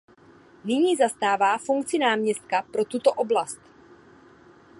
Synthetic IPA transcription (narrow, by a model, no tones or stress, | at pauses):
nɪɲiːzast̪aːvaːfuŋk̚t͡sɪnaːmɲɛst̪̚kapɾo̞t̪ut̪o̞ʔo̞blast̪